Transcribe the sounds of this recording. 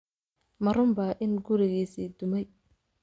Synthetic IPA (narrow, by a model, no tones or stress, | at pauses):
mɐɾʊmbɐʔɪnɡʊɾɪɣiːsiːd̪ʊmɛj